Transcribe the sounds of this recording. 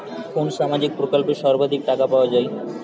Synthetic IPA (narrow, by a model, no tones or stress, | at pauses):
konʃamad͡ʑik̚pɾokolpeʃɔɾbʱad̪ʱik̚ʈakapaoad͡ʑae